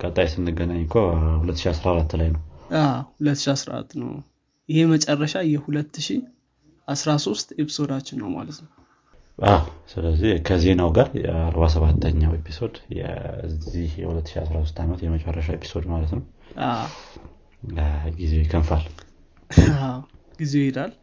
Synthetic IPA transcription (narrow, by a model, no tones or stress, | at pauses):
kʼət̪ʼajsɨnːɨɡənaɲːkʰohulət̪ːʃiasɾaɾat̪ːlajnəwahulət̪ːɨʃiasɾa̰ɾa̰t̪ːnə̰w | jɪhe̞mət͡ʃʼɛrːəʃajɛhulət̪ːɨʃi | ʔasɾaso̞st̪epʰi̥so̞d̪at͡ʃːɪnːəwma̰lət̪nəw | ʔawsɨləzːihkʰəze̞nawɡaɾaɾbas̬əβat̪ʰːəɲːawepʰiso̞d̪jɛ̰ɨzihjɛhulət̪ːɨ̥ʃiasɾasost̪ʰamət̪jɛmət͡ʃʼɛrːəʃaepʰi̥so̞d̪malət̪nəw | a | ɡizewɛkʰənfal | awɡ̥izewhed̪al